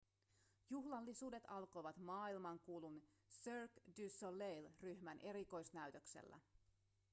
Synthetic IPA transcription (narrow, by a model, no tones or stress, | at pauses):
juɦlɑlːisuːde̞t̪ɑlko̞jʋɑt̪mɑːilmɑŋkuːlun | sørkdysolːejlryhmænʔe̞ɾiko̞jsnæyt̪ø̞ksḛlːæ̰